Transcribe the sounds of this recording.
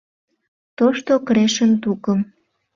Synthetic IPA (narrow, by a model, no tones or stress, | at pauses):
t̪oʃt̪okɾeʃə̆nt̪ukə̆m